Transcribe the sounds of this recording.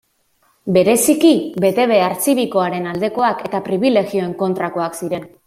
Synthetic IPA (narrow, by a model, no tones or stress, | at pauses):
be̞ɾe̞sikibe̞t̪e̞β̞e̞aɾt͡siβiko̞aɾe̞nald̪e̞ko̞ake̞t̪apɾiβ̞ile̞ɣio̞e̞ŋko̞nt̪ɾako̞aksiɾe̞n